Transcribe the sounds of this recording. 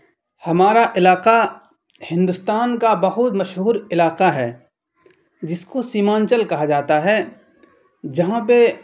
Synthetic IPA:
hɐmaːɾaʔɪlaːqa | hɪ̃nd̪ʊst̪aːnkabɐɦʊt̪mɐʃɦuːɾɪlaːqaɦɛː | d͡ʒɪskosiːmãːnt͡ʃəlkɐɦad͡ʒaːt̪aɦɛ | d͡ʒɐɦãp̬e

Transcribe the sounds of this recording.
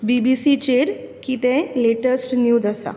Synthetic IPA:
bibisit͡ɕeɾkit̪ɛ̃leʈəsʈnjuːd͡zasa̰

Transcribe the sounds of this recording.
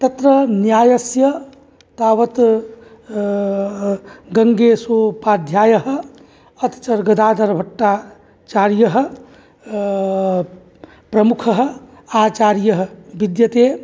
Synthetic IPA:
t̪ɐt̪ɾənjaːjəsjə | t̪aːʋət̪ | ɡəŋɡesopad̪ʱjaːjəɦ | ət̪t͡ʃəɾɡəd̪aːd̪əɾbʱɐʈːa | t͡ʃaɾjəɦ | pɾəmukʰɦ | at͡ʃaːɾjəɦbid̪jət̪e

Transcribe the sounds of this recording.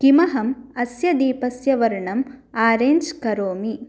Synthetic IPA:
kimɐɦɐmɐsjɐd̪iːpɐsjɐʋɐɾɳɐmaːɾeːnd͡ʒkɐɾoːmi

